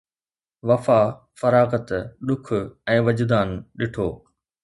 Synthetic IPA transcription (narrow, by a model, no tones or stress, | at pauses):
ʋɐfaː | fɐɾaːɣət̪ɗʊkʰʊɛ̃ːʋɐd͡ʑd̪aːnɗɪʈʰoː